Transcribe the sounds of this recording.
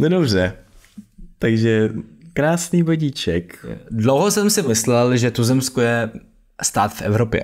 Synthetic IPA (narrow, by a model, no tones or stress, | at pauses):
ndobrɛ | t̪aɡʒɛkɾaːsniːvaɟit͡ʃɛkdlowɦosɛmsɪmɪslɛlʒɛt̪uzɛmskojɛ | st̪aːt̪fʔɛ̰vɾopjɛ̰